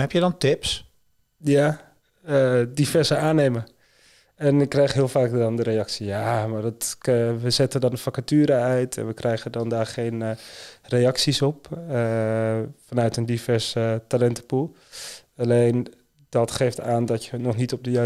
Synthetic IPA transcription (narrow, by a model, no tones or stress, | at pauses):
ɦɛpjədɔntɪps | ja | ədifɛrsəaːneːmə | ɛnɪkːrɛjxɦɪəlˠfaːkdɔndəɾejɑksijamardɔtʋəzɛtədɔnəfakatyːɾəœɥtʰɛ̰nʋəkrɛjɣədɔndaːrχeːnrejɑksisɔp̚ə | fanœɥtəndifɛrsətalɛntəpulˠ | alejn | d̥ɔtχeːftaːndɔtjənɔχnitɔp̚dəjœ